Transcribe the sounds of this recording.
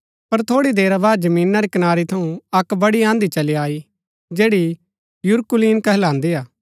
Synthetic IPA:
pɐɾt̪ʰoːɽid̪eːɾabaːd̪̚d͡ʒɐmĩːnːaɾikɐnaːɾit̪ʰɐũɐkbɐɽiãːnd̪it͡ʃɐliaːi | d͡ʒeːɽi | jʊɾkʊliːnkɐɦlãːnd̪iaː

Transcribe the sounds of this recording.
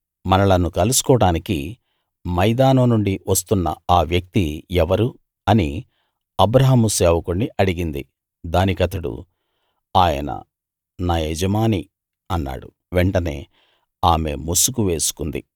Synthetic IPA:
mɐnɐlɐnukɐlusu̥kɔːɽaːniki | mɐjd̪aːnɐnuɳɖiʋɐst̪unːɐ̰aːʋjɐk̚t̪iɛʋɐɾu | ɐni | ɐbɾɐɦɐmuseːʋɐkoɳɖiʔɐɽiɡind̪i | d̪aːnikɐt̪ɐɽṵ | aːjɐ̰nɐ̰ | naːed͡ʒɐmaːni | ɐnːa̰ːɽṵ | ʋeɳʈɐne̞̰ː | aːme̞̰musukuʋe̞ːsu̥kund̪ḭ

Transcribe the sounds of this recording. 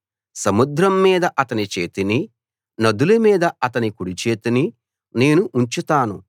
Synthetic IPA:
sɐmud̪ɾɐmːiːd̪ɐʔɐt̪ɐnit͡ʃe̞̰ːt̪ini | nɐd̪ulumiːd̪ɐɐt̪ɐnikuɽit͡ʃe̞ːt̪ini | ne̞ːnuʔːɲt͡ʃut̪aːnu

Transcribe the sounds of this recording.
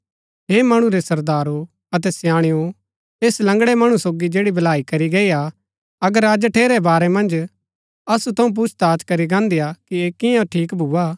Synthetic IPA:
ɦeːmɐɽ̃ũɾesɐɾd̪aːɾo | ɐt̪ɛsjãːɽ̃ɪjo | eːslɐ̃ŋɡɽɛmɐɽ̃ũsoːɡid͡ʒeːɽibʱɐlaːikɐɾiɡɐia | ɐɡəɾɐd͡ʒʈʰeːɾɛbaːɾɛmɐ̃nd͡ʒ | ɐsut̪ʰɐũp̬ʊt͡ʃʰt̪aːt͡ʃkɐɾiɡãːnd̪ijakieːkɪjãʈʰiːkbʱuːaː

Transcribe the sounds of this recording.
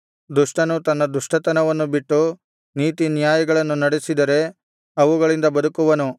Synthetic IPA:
d̪uʂʈɐnut̪ɐnːɐd̪uʂʈɐt̪ɐnɐʋɐnːubiʈːu | niːt̪injaːjɐɡɐɭɐnːunɐɽesid̪ɐɾe̞ | ɐʋuɡɐɭind̪ɐbɐd̪ukuʋɐnu

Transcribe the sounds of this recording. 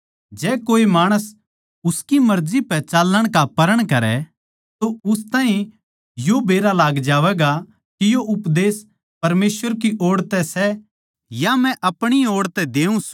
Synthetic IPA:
d͡ʒɛːkoːimaːɽ̃əs | ʊskimɐɾzipɛt͡ʃaːlːəɽ̃kapɐɾəɽ̃kɐɾɛ̰ | t̪oʊst̪aːɦĩ | jobeːɾalaːɡd͡ʒaːʋɛɡa | kijoʔʊpd̪eːs | pɐɾmeːsʋəɾk̬iʔɔːɽt̪ɛsɛ | jamɛ̃ʔɐpɽ̃iɔːɽt̪ɛd̪eːũs

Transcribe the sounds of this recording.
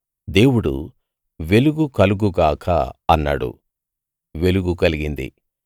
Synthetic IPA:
d̪e̞ːwuɽṵ | ʋe̞luɡukɐluɡuɡaːkʰɐ̰ɐnːa̰ːɽṵ | ʋe̞luɡukɐliɡind̪ḭ

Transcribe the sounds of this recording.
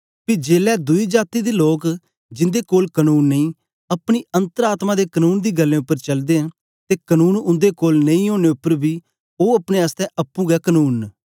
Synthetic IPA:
pid͡ʒeːlɛːd̪ʊiːd͡ʒaːt̪iːd̪iːloːk | d͡ʒɪ̃nd̪eːkoːlkənuːnːəĩː | əpɽ̃iːə̃nt̪əɾaːt̪mãːd̪eːkənuːnd̪iːɡəlːẽːʊpːəɾt͡ʃəld̪ẽː | t̪eːkənuːnʊ̃nd̪ekoːlnə̃ĩõːɽ̃eːʊpːəɾbʱiː | oːəpɽeast̪ɛ̃ːʔəpːũːɡɛːkənuːn

